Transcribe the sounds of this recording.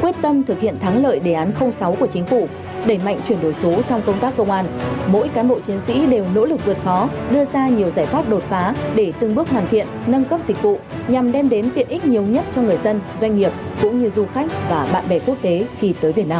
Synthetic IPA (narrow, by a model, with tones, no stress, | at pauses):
kwi˦˥ət̚t̪ə˧mt̪ʰɨ˨˩k̚hḭ˧˨ənt̪ʰaː˨˦ŋlə̰ː˧˨jɗe˧˩ʔaː˨˦nxə˧wŋ͡msa˨˦wku˧˩ət͡ɕi˨˦ŋ̟fu˧˩ | ɗe˧˩ma̰˧˨jŋ̟t͡ɕwi˧˩ənɗo˧˩jso˨˦t͡ɕɔ˧wŋ͡mkə˧wŋ͡mt̪aː˦˥kːə˧wŋ͡mʔaː˧nmo̰˧˥jkaː˨˦nɓo̰˧˨t͡ɕi˨˦ənsḭ˧˥ɗe˨˩wno̰˧˥lɨ˨˩k̚vɨ˨˩ət̚xɔ˨˦ɗɨ˧əzaː˧ɲi˨˩əwzaː˧˩jt̪waː˦˥t̚ɗo˨˩t̚faː˨˦ɗe˧˩t̪ɨ˧˩ŋɓɨ˦˥ək̚ɦwaː˨˩nt̪ʰḭ˧˨ənnə˧nkə˦˥p̚zï˨˩k̟̚vṵ˧˨ɲa˨˩mɗɛ˧mɗe˨˦nt̪i˧˨˩ənʔi˦˥k̟̚ɲi˨˩əwɲə˦˥t̚t͡ɕɔ˧ŋɨ˨˩əjzə˧nzwa˧jŋ̟ŋi˨˩əp̚kʊ̰˧˥ŋ͡mɲɨ˧zu˧xa˦˥jk̟̚vaː˨˩ɓa̰ː˧˨nɓɛ˧˩ku˦˥ək̚t̪e˨˦xi˧t̪əː˨˦jvi˨˩ət̚naː˧m